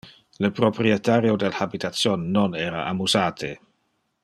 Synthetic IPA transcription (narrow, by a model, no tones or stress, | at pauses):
ləpɾopɾiet̪aɾjodelhabit̪at̪t͡sjonːonɛːɾa̰ʔamusaːt̪ʰe